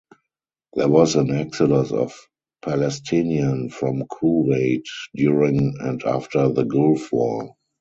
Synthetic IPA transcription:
ðɛwɔsæ̃næksɪdə̃sɔ̰f | pʰælɛstʰɪ̃niə̃nfɹɔ̃mkʰuweɪtdjuɹɪ̃ŋɛ̃nda̰ftʰə˞ðəɡʊlfwɔ

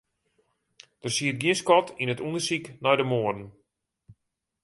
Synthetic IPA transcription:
d̥ərsiət̚ɡjiənskɔtʰinətundərsiknɔjdəmoərdən̩

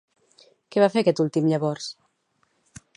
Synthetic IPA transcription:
kɛβafeɾakɛt̪ulˠt̪imʎaβɔɾs

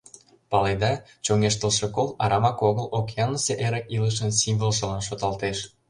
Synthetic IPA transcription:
pɑled̪ɑ | t͡ɕoŋeʃt̪əlʃekolˠɑɾʔɑmɑkoɣəlokeɑnːəseʔeɾəkiləʃ̬ə̆nsimvəlˠʃə̆lɑnʃ̬ot̪ɑlt̪eʃ

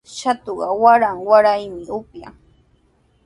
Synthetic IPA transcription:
ʃat̪oɢɑwaɾaŋwaɾajmɪʊpja̰

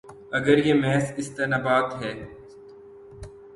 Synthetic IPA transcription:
ɐɡəɾjemɛːsɪst̪eːnaːbaːt̪ɦɛː

